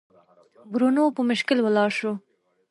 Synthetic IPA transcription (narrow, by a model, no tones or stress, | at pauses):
bɾunopəmʊʃkɪlwəlɑʃo